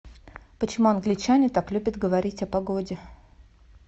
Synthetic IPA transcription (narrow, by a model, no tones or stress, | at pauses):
pət͡ɕɪmuɐnɡlʲɪt͡ɕanʲɪt̪aklʲubʲət̪ɡəvɐɾʲitʲɐpɐɡodʲɪ